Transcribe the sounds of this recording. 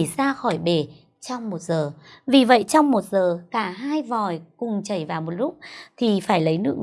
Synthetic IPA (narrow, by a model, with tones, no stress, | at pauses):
saː˧xɔ˧˩jɓe˧˩ | t͡ɕɔ˧wŋ͡mmo˨˩t̚zəː˨˩vi˨˩və̰˧˨jt͡ɕɔ˧wŋ͡mmo˨˩t̚zəː˨˩kaː˧˩ɦaː˧jvɔ˨˩jkʊ˨˩ŋ͡mt͡ɕə˧˩jvaː˨˩wmo˨˩t̚lʊ˦˥k͡p̚t̪ʰi˨˩faː˧˩jlə˨˦jnɨ̰˧˥əŋ